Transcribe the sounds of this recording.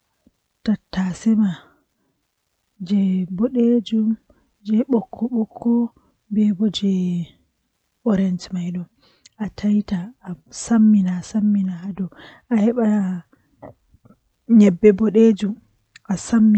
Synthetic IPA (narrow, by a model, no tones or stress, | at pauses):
tatːasɛma | d͡ʒɛbɔɗed͡ʒum | d͡ʒɛɓɔkʰːɔɓɔkʰːɔ | bɛbɔd͡ʒɛ | ʔɔɾɛnd͡ʒmajɗɔ | ʔatʰajtaːsamːinasamːinaadɔ | ʔahɛɓa | ɲɛbːɛbɔɗed͡ʒum | ʔasamː